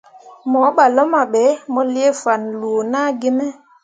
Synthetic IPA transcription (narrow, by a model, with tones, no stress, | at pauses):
mɔ˨˦ɓa˨lɔ˦ma˨ɓɛ˨˦mɔ˦li˦e˦fa˨nlu˨na˦ɡe˦mɛ˦